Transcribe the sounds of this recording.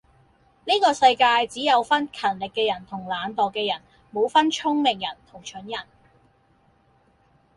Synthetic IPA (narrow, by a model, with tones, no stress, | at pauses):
niː˥kɔː˧sɐ˧jkaː˧jt͡siː˨˥jɐ˨˧wfɐ˥nkʰɐ˨˩nlɪ˨kːɛː˧jɐ˨˩nt̪ʰʊ˨˩ŋlaː˨˧nt̪ɔː˨kːɛː˧jɐ˨˩n | mo˨˧wfɐ˥nt͡ʃʰʊ˥ŋmɪ˨˩ŋjɐ˨˩nt̪ʰʊ˨˩ŋt͡ʃʰɵ˨˥njɐ˨˩n